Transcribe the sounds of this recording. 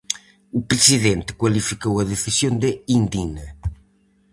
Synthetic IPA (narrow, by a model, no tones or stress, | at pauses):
upɾesiðent̪ɪ̥kwalifikowɐðeθisjond̪eind̪inɐ